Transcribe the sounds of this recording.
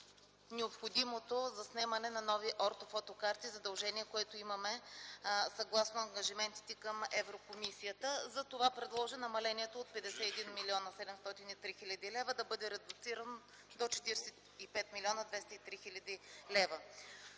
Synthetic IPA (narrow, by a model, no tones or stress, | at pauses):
nɛopxod̪imot̪ozɐsnɛmɐnɛnɐnɔviʔɔɾt̪ofɔt̪okaɾt̪izɐd̪ɐlˠʒɛniɛkoɛt̪oimɐmɛ | sɐɡlˠasnʊɐŋɡɐʒimɛnt̪i̥t̪ɛkəmɛvɾokomisijət̪əzɐt̪ovapɾɛd̪lˠɔʒinɐmɐlɛniɛt̪oːt̪̚pɛd̪ɛsɛɛd̪inmiliɔnɐsɛd̪ɛmst̪ɔt̪init̪ɾixilʲɐd̪ilɛvəd̪ɐbɤd̪ɛɾɛd̪ʊt̪siɾəno | d̪ot͡ʃɛ̥t̪iɾsɛt̪ipɛt̪milʲiɔnəd̪vɛst̪əit̪ɾixilʲɐəd̪ilɛvə